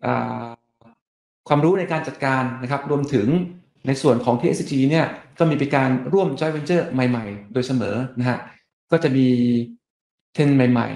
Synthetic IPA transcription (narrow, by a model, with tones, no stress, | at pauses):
ʔa̰ː˨˩ | kʰwaː˧mɾuː˦˥na˧jkaː˧nt͡ɕa˨˩t̪̚kaː˧nːa˦˥kʰa˦˥p̚ɾu˧əmt̪ʰɯ˩˦ŋ | na˧jsu˨˩ənkʰɔː˩˦ŋt̪ʰiː˧ʔe˦˥st͡ɕiː˧ni˥˩ɐkɔː˥˩miː˧pe˧nkaː˧nɾu˥˩əmt͡ɕɔ˦˥jwe˧nt͡ɕɤː˥˩ma˨˩jma˨˩jdoː˧jsa˧mɤ̰ː˩˦na˦˥kʰa˦˥ʔ | kɔː˥˩t͡ɕa˨˩ʔmiː˧ | t̪ʰe˧nma˨˩jma̰˨˩j